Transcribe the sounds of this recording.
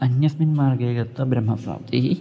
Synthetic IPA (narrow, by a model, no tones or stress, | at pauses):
ɐnjɐsminmaːɾɡeːɡɐt̪ːɐbɾɐmːɐpɾa̰ːp̚t̪iɦi